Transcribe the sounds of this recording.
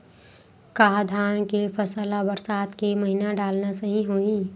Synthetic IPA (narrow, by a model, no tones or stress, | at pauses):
kaːd̪ʱaːnkepʰɐsəːlabɐɾsaːt̪kemɐɦinaɖaːlnasɐɦiɦoːĩː